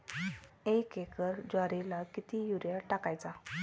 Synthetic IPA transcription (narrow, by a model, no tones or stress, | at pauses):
ekekəɾd͡ʑaɾilakit̪ijuɾjaʈakajt͡sa